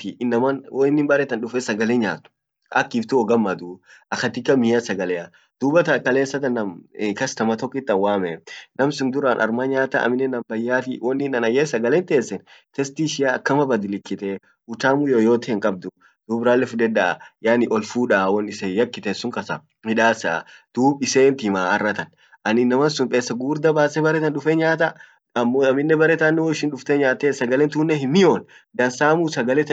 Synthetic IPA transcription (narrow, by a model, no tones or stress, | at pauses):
tɪnːɐmɐnwɔɪnːɪmbɐɾɛt̪ɐnɗʊfɛsɐɡɐleɲaːt̪ʊ̥ | ʔɐ̰kːiːft̪ʊɔɡɐmːɐd̪ʊʔɐkːɐt̪ɪkːɐmɪjɐsɐɡɐlɛɐ | d̪̥uːbɐt̪ɐkɐleːnsɐt̪ɐnːɐmkɐsnɐmɐt̪ɔkʼːɪt̪ːɐnwaːmɛnɐmsʊnd̪ʊɾanʔɐ̰ɾmaɲaːt̪ɐ̰ɐ̰mɪnːɛnɐmbɐjːaːfɪwɔnːɪnɐnɐjːeːsɐɡɐlɛnt̪eːsːɛnt̪ɛst̪iʃɪjaːkːɐmɐbɐd̪ɪlɪkːɪt̪ɛ | ʊt̪aːmujoːjoːt̪ɪɪŋkʼɐb̚d̪ʊ | d̪̥uːbɾaːlːɛfʊd̪ɛd̪a̰jaːnɪʔɔlfuːᶑawɔnːɪsejɐkːɪt̪esʊŋkʼɐsɐ̰ | mɪᶑaːsa̰d̪̥uːbɪseːnt̪ɪmaːɐ̰rːɐt̪ɐn | ʔɐnɪnːɐmɐnsʊmpʼeːsːɐɡuːɾd̪ɐbaːsɛbɐɾɛt̪ɐnᶑʊfeɲaːt̪ɐ | ɐmːoɐmɪnːɛbɐɾɛt̪anːɛwɔɪʃɪnᶑʊft̪ɛɲaːt̪esɐɡɐlɛnt̪uːnːɛhɪmːɪjoːnd̪ɐnsaːmusɐɡɐlɛt̪